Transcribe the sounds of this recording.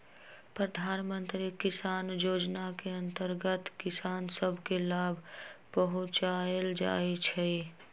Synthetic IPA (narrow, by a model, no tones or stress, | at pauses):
pɾəd̪ʱaːnmənt̪ɾikɪsaːnjoːd͡ʒnakeənt̪əɾɡət̪kɪsaːnsəbʱkelaːbʱpəɦʊ̃t͡ʃaeld͡ʒa̰et͡ʃʰɛ